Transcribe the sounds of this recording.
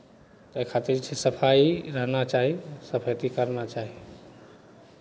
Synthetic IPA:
t̪əjkʰat̪iɾt͡ʃʰɛsəpʰaiɾəɦnat͡ʃaɦisəpʰət̪ikəɾnat͡ʃaɦi

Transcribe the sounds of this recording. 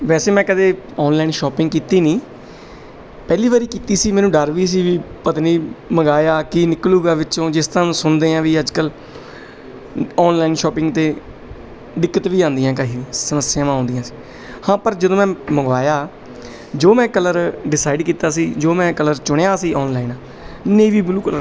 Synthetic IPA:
ʋɛːseːmɛ̃ːkəd̪eːɔːnlaːɪnʃɔːpɪ̃ŋɡkiːt̪iːnĩː | pɛːliːʋaːɾiːkiːt̪iːsiːmɛ̃ːnũːɖəɾʋiːs̬iːʋiːpət̪niːməɡaːjaːkiːnɪkluːɡaːʋɪt͡ʃõːd͡ʒɪst̪əɾãːnũːsʊnd̪eːãːʋiːəd͡ʒkəl | ɔːnlaːɪnʃɔːpɪ̃ŋɡt̪eː | ɖɪkːət̪ʋiːãːnd̪ɪjãːkəɦiːʋiːsəməsːɪjãːmãːõːnd̪ɪjãːsi̥ː | hãːpəɾd͡ʒəd̪õːmɛ̃ːməɡʋaːjaː | d͡ʒoːmɛ̃ːkələɾɖɪsaːɪɖkiːt̪aːsiːd͡ʒoːmɛ̃ːkələɾt͡ʃʊɽjaːsiːɔːnlaːinaː | neːʋiːbluːkələɾ

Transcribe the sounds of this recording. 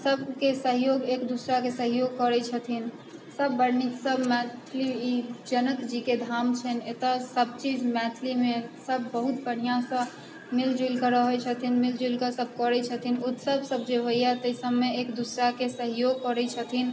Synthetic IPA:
səbkesəɦjoɡekd̪usɾakesəɦjoɡ̚kɔɾɛt͡ʃʰət̪ʰin | səbːəɽniksəbmɛt̪ʰliid͡ʒənək̪d͡ʒiked̪ʱamt͡ʃʰənet̪əsəb̚t͡ʃid͡ʒmɛt̪ʰlimesəbːəɦut̪bəɽ̤ijãsə̃ | mild͡ʒulkəɾəɦɛt͡ʃʰət̪ʰinmild͡ʒilkəsəb̚ʱkɔɾɛt͡ʃʰət̪ʰinut̪səbsəb̚d͡ʒeɦojjɛt̪əsəbmeekd̪usɾakesəɦjoɡ̚kɔɾɛt͡ʃʰət̪ʰin

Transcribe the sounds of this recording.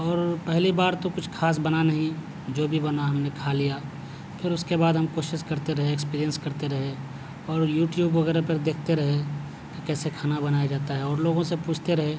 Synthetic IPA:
ɔːɾpɛɦlibaːɾt̪okʊt͡ʃʰkʰaːs̬bɐnanɐɦĩ | d͡ʒoːbʱibɐnaɦɐmnekʰalija | pʰɪɾʊskebaːd̪ɦɐmkoːʃɪʃkɐɾt̪eɾɐɦeːkspiːɾijə̃nskɐɾt̪eɾɐɦe | ɔːɾjuːʈjuːbʋɐɣɛːɾepɐɾd̪eːk̚ʰt̪eɾɐɦe | k̪okɛːsekʰaːnabɐnaːjad͡ʒaːt̪aɦɛɔːɾloːɡõsepuːt͡ʃʰt̪eɾɐɦeː

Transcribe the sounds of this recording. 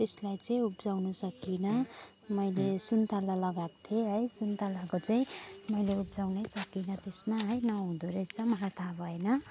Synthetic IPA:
t̪eslajt͡sʌĩupd͡zawnusʌkːinʌ | mʌjlesunt̪alalʌɡakt̪ʰjeɦʌjsunt̪alakot͡sʌĩmʌjleup̚d͡zawnesʌkːinʌt̪esmaɦʌjnʌɦũd̪oɾʌt͡sʰʌmʌɦat̪ʰabʱʌenʌ

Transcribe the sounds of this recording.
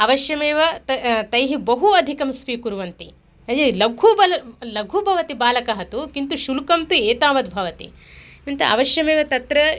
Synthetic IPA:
ɐʋɐʃjɐmeːʋɐt̪ɐt̪ɐjɦibɐɦuɐd̪ʱikɐmsʋiːkuɾuʋɐnt̪i | ɐnd͡ʒilɐɡʱubɐlɐlɐɡʱubʱɐʋɐt̪ibaːlɐkɐɦɐt̪ukint̪uʃulkɐmt̪ueːt̪aːʋɐd̪bʱɐʋɐt̪ḭ | int̪ɐʔɐ̰ʋɐʃjɐmeːʋɐt̪ɐt̪ɾɐ

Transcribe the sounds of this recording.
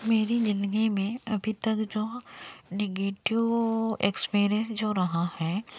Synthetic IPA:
meːɾid͡ʒɪnɡimẽɐbʱit̪ɐkd͡ʒoːneɡeːʈɪʋekspiːɾijə̃nsd͡ʒoːɾɐɦahɛː

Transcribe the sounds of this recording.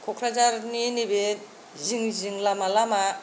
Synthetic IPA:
kʰɔkʰɾad͡ʒaɾninibe | ziŋziŋlamalama

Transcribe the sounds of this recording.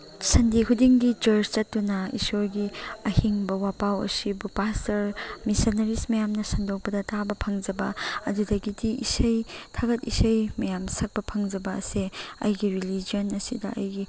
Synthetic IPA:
sɐndikʰudiŋɡit͡ʃɐɾt͡ʃt͡ʃɐtːunɐḭsoɾɡiɐhiŋbɐwapawɐ̰sibupastʰɐɾmisonɐɾismɐjamnɐsɐndok̚pɐdɐtʰabɐpʰɐŋd͡ʒɐbɐɐdudɐɡidiʔisɐjtʰaɡɐtisɐjmɐjamsɐk̚pɐpʰɐŋd͡ʒɐbɐɐ̰seɐ̰jɡiɾilid͡ʒionɐsidɐʔɐjɡi

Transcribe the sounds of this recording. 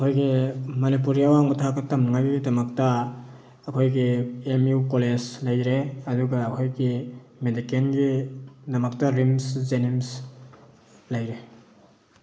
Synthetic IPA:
ɐkʰojɡimɐnipuɾijawaŋutʰaɡɐtɐmnaŋajɡidɐmɐk̚tɐː | kʰojɡiemjukoled͡ʒlɐjɾeɐduɡaːkʰojɡi | medikenɡidɐmɐk̚tɐɾimszenims | lajɾe

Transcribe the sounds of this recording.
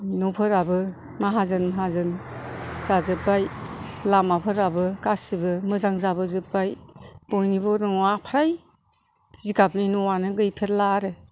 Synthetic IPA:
nɔpʰɯɾabɯ | maɦazɯnmaɦazɯn | zazɯp̚ːajlamapʰɯɾabɯkasibɯmɯzaŋzabɯzɯpbajb̥ɔjnibɔɾɯŋapʰaɾaj | zikapninɔwanɯɡɯjpʰeɾlaɾɯ

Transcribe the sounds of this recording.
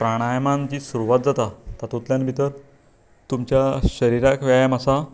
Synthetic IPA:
pɾaɽ̃ajmãnt͡ɕiːsuɾuʋat̪̚d͡zat̪at̪at̪ut̪ljãnbʱit̪əɾ | t̪umt͡ɕjaɕəɾiɾakʋajmasa

